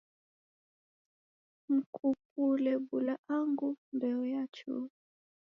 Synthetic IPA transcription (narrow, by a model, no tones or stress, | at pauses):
m̩kʰup̚ulɛbulaʔaŋɡundɛɔjat͡ʃṵ